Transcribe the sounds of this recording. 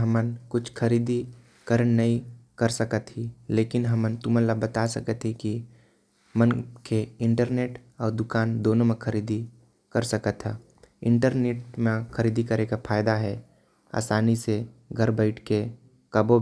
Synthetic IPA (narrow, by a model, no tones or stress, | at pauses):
ɦɐmənkʊt͡ʃʰkʰɐɾiːd̪i | kəɾənːəĩkəɾsəkət̪ɦileːkɪnɦɐmənt̪ʊmənlabət̪asɐkət̪ɦɛki | mənkʰeɪ̃ɳʈəɾneːʈ | ɔːɾd̪ʊkaːnd̪oːnõmẽkʰɐɾiːd̪i | kəɾsəkət̪ɦɛ̰ː | ɪ̃ɳʈəɾneːʈmẽkəɾiːd̪ikəɾekapʰaːjd̪aɦɛ | a̰ːsaːniseɡʱɐɾbəɪʈʰke | kɐbo